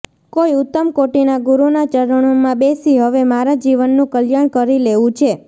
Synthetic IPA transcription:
koiʊt̪ːəmkoʈinaɡuɾunat͡ʃəɾəɳ̃omãbesiɦəʋemaɾad͡ʒiʋənːũkəljaɳ̃kəɾileʋũt͡ʃʰe

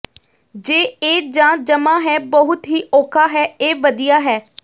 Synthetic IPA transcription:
d͡ʒeːeːd͡ʒãːd͡ʒəmãːɦɛːbəɦʊt̪ɦiːʔoːkʰaːɦɛːeːʋəd̪ijaːɦɛː

